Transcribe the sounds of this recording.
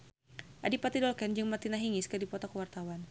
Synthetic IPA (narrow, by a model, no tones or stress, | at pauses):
ʔadipat̪idɔlkɛnd͡ʒɨŋmat̪inaɦiŋiskərdipɔt̪ɔkəwart̪awan